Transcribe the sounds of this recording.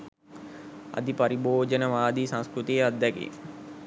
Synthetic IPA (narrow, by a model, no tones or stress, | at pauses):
a̰d̪ipɐɾiboːd͡ʒənəʋaːd̪isãŋskɾut̪ijead̪ːɛkḭŋ